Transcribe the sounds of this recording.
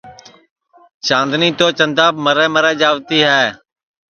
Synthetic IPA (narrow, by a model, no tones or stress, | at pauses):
t͡ʃãːnd̪niːt̪oːt͡ʃənd̪aːbməɾɛ̃ːməɾɛ̃ːd͡ʒaːʋt̪iːɦɛː